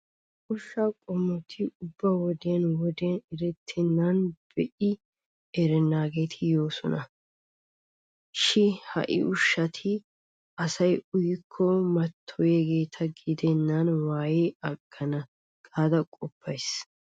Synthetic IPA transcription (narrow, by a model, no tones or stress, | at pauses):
ʔʊʃːakʼɔmːɔt̪ʰɪʊbːɐwɔd̪eɐnwɔd̪enɛɾɛt̪ʰːɪnːanb̥ɛʔɪ | ɛɾɛnːaːɡe̞ːt̪ʰɪjo̞ːsɔ̰nɐ | ʃɪhɐ̰ʔɪ̰ʔʊʃːɐt̪ʰɪ | ɐsɐjʊjɪkʰːɔmɐt̪ʰːɔjɛɡe̞ːt̪ʰɐɡɪd̪ɛnːɐnwaːjeɐɡ̥ːɐnɐ | ɡʼaːd̪ɐkʼɔpʰːɐjs